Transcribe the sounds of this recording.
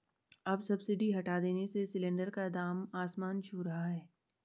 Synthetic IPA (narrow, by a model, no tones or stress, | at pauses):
ɐbsɐbsɪɖʱiɦɐʈad̪eːnesesɪlẽɳɖəɾkad̪aːmaːsmaːnt͡ʃʰuɾɐɦaɦɛː